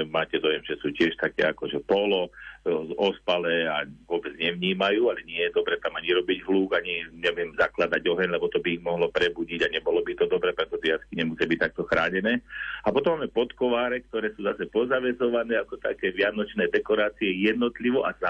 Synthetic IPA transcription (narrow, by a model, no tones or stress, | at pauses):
maːcɛd̪ɔjɛmʒɛsuːcɪɛʃt̪akɛ̰ːa̰kɔʒɛpɔlɔzɔspalɛaʋʊɔbɛd͡zɲɛʋɲiːmajuːalɛɲɪɛjɛd̪ɔbɾɛːt̪amaɲiɾɔbiɟɦluːɡaɲiɲɛmʊjɛmzaklad̪aɟɔɦɛɲlɛbɔt̪ɔbiiɣmɔɦlɔpɾɛbuɟiɟaɲɛbɔlɔbit̪ɔd̪ɔbɾɛːpɾɛt̪ɔʒɛɪjaskiɲɛmusiabic̚t̪ak̚t̪ɔxɾaːɲɛnɛːapɔt̪ɔmːaːmɛpɔt̪kɔʋaːɾɛk̚t̪ɔɾɛːsuːzasɛpɔzaʋɛzɔʋanɛːakɔt̪akɛːʋɪanɔt͡ʃnɛːd̪ɛkɔɾaːt͡siɛjɛd̪̚nɔt̪liʋɔʔaza